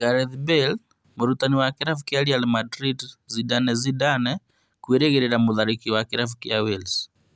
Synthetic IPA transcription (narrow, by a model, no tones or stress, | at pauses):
ɡaɾɛðbɛl | moɾutaniwakiɾafukjaɾialmadɾidzidanɛzidanɛ | kweɾeɣeɾɛɾamuðaɾikiwakiɾafukjawils